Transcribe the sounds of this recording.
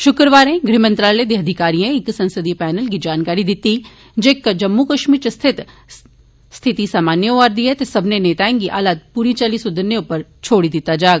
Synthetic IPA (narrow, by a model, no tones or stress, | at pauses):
ʃʊkɾəʋaːɾẽɡɾimə̃nt̪ɾaːled̪eɦɐd̪ʱɪkaːɾijãɪksɐ̃nsəd̪ipɛːnəlkid͡ʒaːnkaːɾid̪ɪt̪i | d͡ʒeːkːəd͡ʒɐmːukɐʃmiːɾt͡ʃɐst̪ʰɪt̪ | st̪ʰɪt̪isaːmaːnjəʋaːɾd̪iɦɛt̪esɐbʱneneːt̪aːẽŋɡiʔa̰ːlaːd̪̚puːɾit͡ʃɐlisʊd̪ʱəɾneʊpəɾt͡ʃʰoːɽid̪ɪt̪ad͡ʒaːɡ